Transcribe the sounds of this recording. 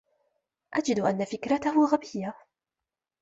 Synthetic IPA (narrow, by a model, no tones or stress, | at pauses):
ʔad͡ʒɪd̪ʔanːafɪkɾat̪ahʊɣabɪjːa